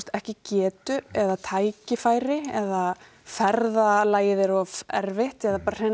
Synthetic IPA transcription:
st̪ɛhcɪcɛːt̪ʏɛðat̪ʰaːjcɪfaːjɾɪɛða | fɛɾðalaːjɪðɪɾɔɛ̰ɾvɪht̪ɛðapaːɾr̥ɛ

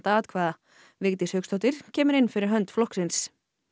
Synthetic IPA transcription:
t̪aaːt̪kʰvaːða | vɪɣt̪ɪshœkst̪ɔt̪ɪɾ̥cʰɛːmʏɾɪnːfɪɾɪɾɦœnt̪flɔhksɪns

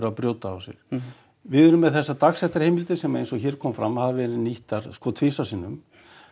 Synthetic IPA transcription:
ɾapɾjoːwt̪aa̰wsjɛ̰ɾ̥ | vɪðʏɾʏmːɛðθɛsːat̪aksɛht̪aɾ̥hejmɪlt̪ɪsɛmaejnsɔɣçɛːɾ̥kʰɔːmfɾamːahavvɛːɾɪniht̪aɾ̥skɔːt̪ʰvɪːsasɪnːʏm

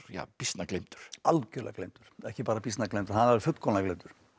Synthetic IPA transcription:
ja̰ːpist̪naklejmt̪ʏ̥ɾ̥alcœːlɛ̰klejmt̪ʏɾ̥ɛhcɪpaːɾapist̪naklejmt̪ʏ̥hanɛɾɪfʏt̪l̥kʰɔːnɛklejmt̪ʏɾ̥

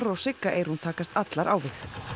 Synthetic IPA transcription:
ɾɔɣsɪkːaʔejɾ̥hunt̪ʰaːkast̪at̪laɾʔa̰ːwvɪθ

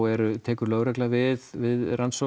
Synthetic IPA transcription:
ɛɾʏt̪ʰɛːkʏɾlœɥɣɾɛklavɪðvɪðransɔ

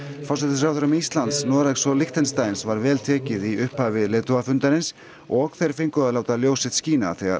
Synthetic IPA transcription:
fɔɾsɛt̪ɪsɾaːwθʏɾʏmist̪lant̪snɔːðɾaɛsɔlɪxt̪ɛnst̪ajnsvaɾvɛːlt̪ʰɛːcɪðiʏhphavɪðlɛːt̪ʏafʏnt̪aɾɪns | ɔɣθejɾ̥fejŋkʏaðlaːwt̪aljoːwsɪt̪sciːna̰θɛːɣa̰ɾ

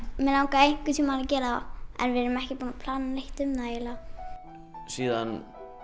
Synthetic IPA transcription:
mɛlawŋkaejŋ̥kʏt̪ʰiːmalacɛːɾaa̰ɛ̰ɾvɪɾʏmɛhcɪpunapʰlaːnlejht̪ʏmnajɪla | siːðan

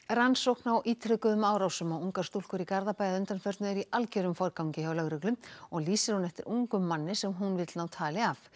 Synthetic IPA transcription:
ransowhknawʔiːt̪ʰɾʏkʏðʏmaːwɾawsʏmawuŋkḁst̪ul̥kʏɾikaɾðapajðaʏnt̪anfœɾt̪nʏɛɾiʔalcœɾʏmfɔɾkawŋcɪhawlœɣɾʏklʏmɔɣliːsɪɾ̥hunɛft̪ɪɾʔuŋkʏmːanːɪsɛmɦunvɪt̪lnawt̪ʰaːlɪaf

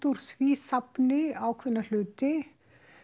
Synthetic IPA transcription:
t̪uɾ̥sviːsapnɪawkʰvʏnːal̥ʏːt̪ɪ

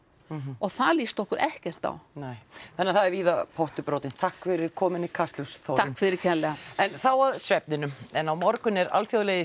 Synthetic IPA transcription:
ɔɣθaðliːst̪ɔhkʏɾʔɛhcɛr̥t̪a̰wneːjθɛnːɪɾθaðɛɾviːðapʰowht̪ʏpɾowt̪ɪnt̪ʰahkfɪɾɪɾkʰɔːmɪnɪkʰast̪lʏsθow̪akfɪðɪɾɪɾkcʰɛnlɛɣaɛnθawaðsɾɛp̚nɪnʏmɛnawmɔɾkʏnɛɾa̰lfjoðlɛjðɪ

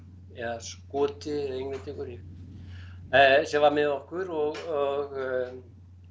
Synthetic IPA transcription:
ɛðaskɔːt̪ɪɛðeŋnat̪ɪkʏɾɪ | ɛsɛvaɾmɪðɔhkʏɾɔɣɔɣ

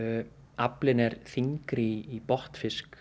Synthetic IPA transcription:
aplɪnɛɾ̥θiŋkɾɪːpɔht̪fɪsk

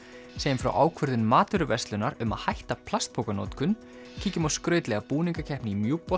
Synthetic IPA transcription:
sejɪmfɾa̰wʔaːwkʰʏɾðɪnmaːt̪ʏɾʏvɛst̪lʏnaɾʏma̰ðhajht̪apʰl̥ast̪̚pʰowkano̰wt̪kʏn | cʰiːcʏmawskɾœːɥt̪lɛɣapuːniŋkacʰɛhpnɪimjuːpɔ

